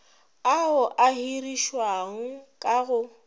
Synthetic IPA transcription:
aʊʔahiriʃwaŋ̩kʼaɣʊ

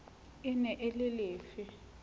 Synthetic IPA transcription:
ɪnɛʔelɪleːfɪ

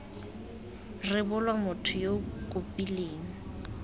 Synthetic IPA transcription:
rɪbʊlwamʊtʰʊjokʼʊpʼileːŋ̩

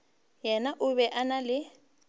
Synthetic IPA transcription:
jɛnaʔʊbɛʔanalɪ

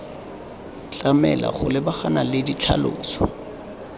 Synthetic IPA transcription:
t͡ɬʼamɛ̰la̰χʊlɪbaχanalɪdit͡ɬʰa̰lo̰ːsɔ̥

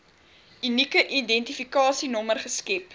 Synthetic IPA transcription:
ynikəʔidɛntifikɑːsinɔmərχəskɛp

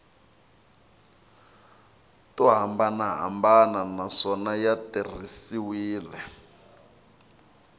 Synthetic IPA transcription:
tuɦambanaɦa̰mbananaʂɔnajatir̤isiwiːlɛ

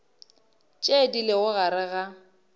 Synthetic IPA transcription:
t͡ʃʼedilɪɣʊɣaɾɪɣa

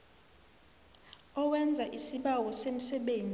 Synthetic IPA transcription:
ɔwɛnd͡zʱaʔisiɓawɔsem̩sɛɓeːnd͡zʱʼi

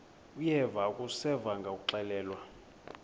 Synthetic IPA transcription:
ujɛvakʼusɛvaŋɡʱakʼuǃɛlɛːlwa

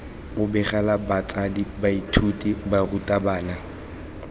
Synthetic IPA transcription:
ʊbɛχalabat͡sadibaitʰutʼibarutʼabaːna

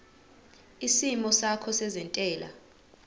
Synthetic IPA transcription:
isimɔsakʰɔsɛzɛntʼɛːla̰

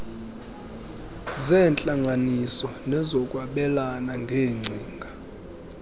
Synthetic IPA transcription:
zɛːnt͡ɬʼaŋʱanisɔnɛzɔkʼwaɓɛlanaŋɡʱeːŋ͡ǀʱiːŋɡʱa

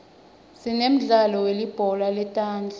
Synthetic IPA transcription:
sinem̩ɮalɔwelib̥ʱɔlalɛtʼaːnd͡ɮʱa

